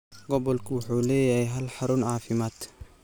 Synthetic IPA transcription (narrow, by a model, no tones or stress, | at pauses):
ɡɔbɔlkʰʊwʊħuːlɛːjahɛjɦɐlħaɾʊnʕaːfɪmaːt̪